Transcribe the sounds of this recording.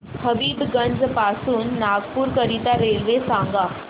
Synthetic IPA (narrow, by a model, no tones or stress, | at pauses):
kʰəbiːbɡə̃nd͡zpasuːnːaɡpuːɾkəɾit̪aɾelʋesãŋɡa